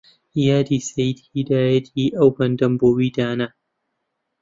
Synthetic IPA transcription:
jaːdiːsɐjdidaːjɐdiːʔawbɐndɐmboːwiːdaːna

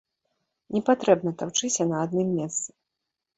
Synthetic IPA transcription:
nʲɛpat̪ɾɛbnɐt̪awt͡ʂɨsʲɐnɐad̪̚nɨmːʲɛst̪sɨ̥

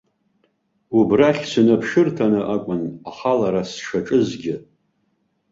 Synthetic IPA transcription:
ubraχʲsɨnapʰʂɨrtʰanɨʔakʷʼʊnaχalaɾasʂaʈ͡ʂʼɨzɡʲɪ

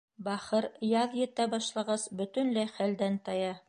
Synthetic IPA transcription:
bæχɤɾjɑðjɘ̆t̪ːæbɑʃlˠɑʁɑsbɵ̆t̪ɵ̆nlæjχæld̪ænt̪ɑjɑ

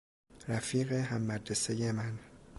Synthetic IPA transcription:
ɾæfiːɣeɦæmːæd̪ɾesejemæn

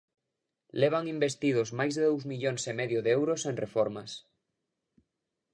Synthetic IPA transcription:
leβ̞aŋimbest̪ið̞ozmajzðeðowzmiʎoŋsemeðjoðeewɾosẽnrefoɾmas

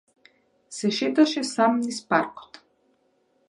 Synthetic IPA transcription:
sɛʃɛt̪aʃɛsamnispaɾkɔ̥t̪

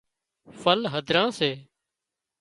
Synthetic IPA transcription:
fəlɦəd̪ʱɾãːseː

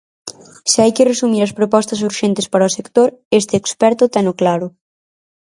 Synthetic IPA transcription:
sɪajkɪresumiɾɐspɾopɔst̪ɐs̬uɾʃent̪ɪspaɾɐosekt̪oɾest̪ɪːkspɛɾt̪ʊt̪ɛnʊklaɾʊ

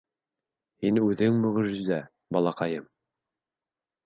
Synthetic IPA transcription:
hinʉðɘŋmɵ̆ʁɘ̆ʒɘ̆zæ | bɑlˠɑqɑjɤm

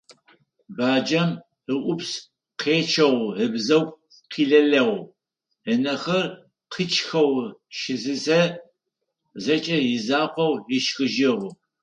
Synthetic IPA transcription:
baːd͡ʒɐm | əʔʷʊps | qʰeːt͡ʃʰɐʁʷɦəbzɐw | qʰiːɮɐɮɐʁ | ənɐxɐr | qʰət͡ʃʼxɐwʃɪzɨzɐ | zɐt͡ʃʼɐjɪzaːqʷɔwɪʃxɨʒɪʁʷʊ

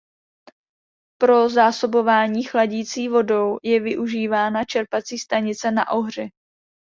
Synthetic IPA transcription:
pɾo̞zaːso̞bo̞vaːɲiːxlaɟiːt͡siːvo̞do̞wjɛvɪʔuʒiːvaːnat͡ʃɛɾpat͡siːst̪aɲɪt͡sɛna̰ʔo̞ɦr̝ɪ

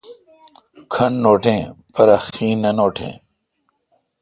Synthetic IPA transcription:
kʰɐnːoːʈʰẽːpɐɾɐxĩːnːɐnoːʈʰḛ̃ː

